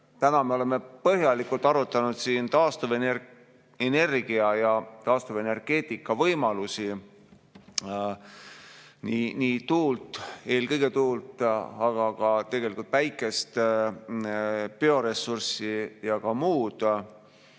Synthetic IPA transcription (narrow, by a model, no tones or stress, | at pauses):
t̪ænɑmeole̞me̞pɤɦjɑlikult̪ːˑɑɾut̪ːˑɑnud̪siːnt̪ɑːst̪uven | ene̞rɡ̥iɑjɑt̪ɑːst̪uve̞ne̞rɡ̥e̞ːt̪ːˑikːˑɑvɤjmɑlusi | niniːt̪uːlt̪ˑe̞ːlkɤjɡ̥e̞t̪uːlt̪ɑɡ̥ɑɡ̥ɑt̪e̞ɡ̥e̞likult̪væjkːˑe̞st̪ | peo̞ɾe̞sːursijɑkɑmuːd̪̥